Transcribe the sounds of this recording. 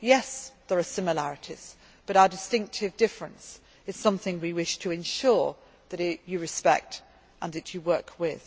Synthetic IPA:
jɛsðə˞əsɪ̃məlæɹɨɾʰiz̥ | b̥ʌɾaʊədɨstɪ̃ŋk̚tʰɨvdɪfɹɨ̃ns | ɨz̥sʌ̃mθɪ̃ŋwiwɪʃtʰəɨ̃nʃʊɹ | ðɨt͡ʃɨɹɨspɛ̰k̚t | ʔə̃nðɨt͡ʃɨwɜˑ˞kʰwɪð̥

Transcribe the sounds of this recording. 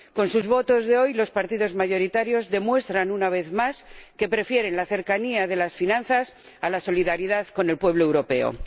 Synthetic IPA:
ko̞nsuzβo̞t̪o̞zðe̞o̞jlo̞spaɾt̪iðo̞zmaʝo̞ɾit̪aɾjo̞zðe̞mwe̞st̪ɾanunaβ̞e̞θmaske̞pɾe̞fje̞ɾe̞nlaθe̞ɾkaniaðe̞lasfinãnθas | alaso̞liðaɾiðaðko̞ne̞lpwe̞βloe̞wɾo̞pe̞o̰

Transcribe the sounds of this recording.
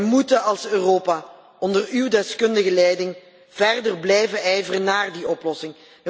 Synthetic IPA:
mutəɑlˠsøːroːpa | ɔndərywdɛskɵndəɣəlɛjdɪŋ | v̥ɛrdərblɛjvəʔɛjvərənaːrdiɔplɔsɪŋ

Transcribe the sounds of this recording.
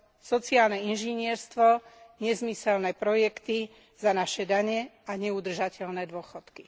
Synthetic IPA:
sɔt͡siaːlnɛinʒiɲɪɛɾst̪ʋɔɲɛzmisɛlnɛpɾɔjɛkt̪i | zanaʃɛd̪aɲɛaɲɛud̪r̩ʒacɛlnɛd̪ʊɔxɔt̪ki̥

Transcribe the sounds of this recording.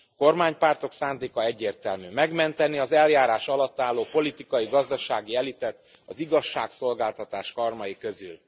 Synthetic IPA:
ko̞rmaːɲpaːrt̪o̞ksaːnd̪eːkɒɛɟːeːrt̪ɛlmyːmɛɡmɛnt̪ɛniɒzɛljaːɾaːʃɒlɒt̪ːaːlːoːpo̞lit̪ikɒjiɡɒzd̪ɒʃaːɡiɛlit̪ɛt̪ː | ɒziɡɒʃːaːkso̞lɡaːlt̪ɒt̪aːʃkɒrmɒjikø̞zy̰l

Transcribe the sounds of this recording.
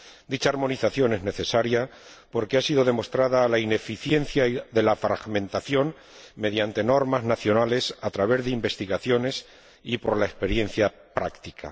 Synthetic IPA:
d̪it͡ʃaːɾmo̞niθaθjo̞ne̞zne̞θe̞saɾja | po̞ɾke̞asiðo̞ð̞e̞mo̞st̪ɾaðaːlaine̞fiθje̞nθjaðe̞lafɾaɣmẽ̞nt̪aθjo̞ŋ | me̞ðjant̪e̞no̞ɾmaznaθjo̞nale̞sat̪ɾaβ̞e̞zðeimbe̞st̪iɣaθjo̞ne̞s | ipo̞ɾlaespe̞ɾje̞nθja | pɾakt̪ikʰa̰

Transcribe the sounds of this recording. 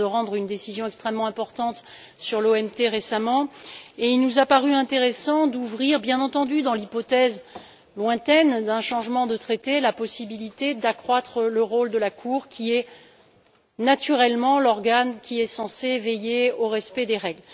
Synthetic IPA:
əʁɑ̃d̪ʁynd̪esizjɔ̃ɛkst̪χɛmːɑ̃ɛ̃pɔʁt̪ɑ̃t̪ | syʁloɛmt̪eʁesamɑ̃eilnuzapaʁyɛ̃t̪eʁesɑ̃d̪uvʁiʁbjɛ̃nɑ̃t̪ɑ̃d̪yd̪ɑ̃lipɔt̪ɛz | lwɛ̃t̪ɛnd̪ɛ̃ʃɑ̃ʒmɑ̃d̪ət̪χet̪elapɔsibilit̪ed̪akχwat̪χələʁold̪əlakʰuʁkʲʰiɛ | nat̪yʁɛlmɑ̃lɔʁɡankʲiɛsɑ̃sevejeoʁɛspɛd̪eʁɛɡl

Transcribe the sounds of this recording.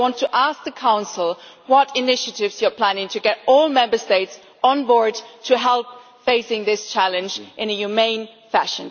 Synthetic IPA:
wɑ̃ntʰɨʔæsk̚ðɨkʰãʊ̃nsl̩ˠwʌɾɪnɪʃɨɾɪvz̥jə˞pʰl̥æ̃nɪ̃ŋtʰɨɡɛɾɔlˠmɛ̃mbə˞steɪts | n̩bɔɹd̚tʰɨɦɛlˠp̚ | feɪsɪ̃ŋðɪst͡ʃʰælˠɨ̃nd͡ʒʔɨ̃nɨjʉmẽɪ̃nfæʃɨ̃n

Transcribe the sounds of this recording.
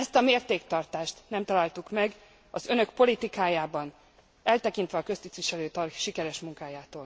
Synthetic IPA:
ɛst̪ɒmeːrt̪eːkt̪ɒrt̪aːʃt̪nɛmt̪ɒlalt̪ukmɛɡ | ɒzø̞nø̞kpo̞lit̪ikaːjaːbɒn | ɛlt̪ɛkin̪t̪ʋɛɒkø̞st̪it̪ʋiʃɛløːt̪ɒrʃikɛɾɛʃmuŋkaːjaːt̪oːl

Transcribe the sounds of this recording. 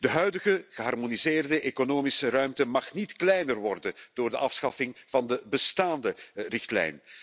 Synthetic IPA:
dəɦœɥdəɣəɣəɦɑrmonizɪːrdəʔekonoːmisərœɥmtəmɑχnitklɛjnərʋɔrdənd̥oːrdəʔɑfsxɑfɪŋv̥ɑndəbəstaːndərɪxtlɛ̰jn

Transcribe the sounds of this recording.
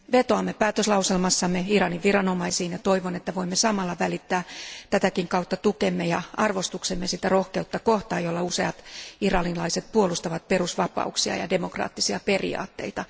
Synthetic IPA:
ʋet̪oɑmːepæːt̪øslɑwselmɑsːɑmːeirɑniʋʋirɑno̞mɑisiːnjɑt̪o̞iʋonet̪ːæʋo̞imːesɑmɑlːɑʋælit̪ːæːt̪æt̪ækiŋkɑut̪ːɑt̪ukemːejɑɑrʋo̞st̪uksemːesit̪æro̞hke̞ut̪ːɑkoht̪ɑːjolːɑuseɑt̪irɑninlɑiset̪̚puolust̪ɑʋɑt̪̚perusʋɑpɑ̰uksiɑ̰jɑ̰de̞mo̞krɑ̰ːt̪ːisiɑpe̞rḭɑ̰ːt̪ːe̞̰it̪ɑ

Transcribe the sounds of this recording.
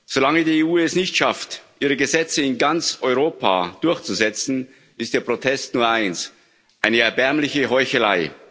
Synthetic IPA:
z̥olaŋədiːeuːɛsnɪçtʃaftʔiːʁ̞əɡəzɛt͡səɪnɡant͡sɔʏʁ̞oːpʰa̰d̥ʊɐçt͡suzɛt͡sn̩ | ʔɪstd̥eːɐpʁ̥otʰɛstnuːɐʔaɪns | ʔaɪnəɛɐbɛɐmlɪçəɦɔʏçəlaɪ

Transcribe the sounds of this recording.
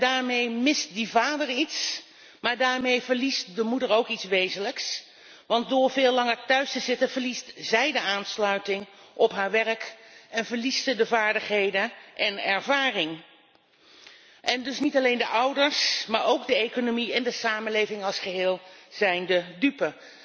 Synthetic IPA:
daːɹmejmɪst̚dəvaːdəɹits | maːɹdaːɹmejvəɹlist̚dəmudəɹowkitsʋejzənləks | ʋɑnt̚dʊːɹvɪːlɑŋəɹtœɥstəzɪtənvəɹlistz̥ɛjdəaːnslœɥtɪŋʔɔpɦaːɹʋɛɹəkɛnvəɹlissədəvaːɹdəχɦejdənʔɛnɛɹvaːrɪŋ | ʔɛndɵsnitɑlejndəʔʌwdəɹsmaːɹowɡdəejkonomiɛndəsaːmənlejvɪŋɑlˠsχəɦɪːlˠz̥ɛjndədypə

